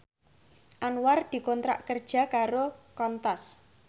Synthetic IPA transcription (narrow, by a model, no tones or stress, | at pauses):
ʔanward̪̥i̤kont̪ɾa̰ʔkərd̥ʒ̥a̤kaɾokɔnt̪as